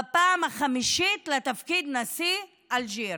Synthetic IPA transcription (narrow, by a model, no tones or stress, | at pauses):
paːmaχamiʃitlat̪afkid̪nasi | ʔalʒi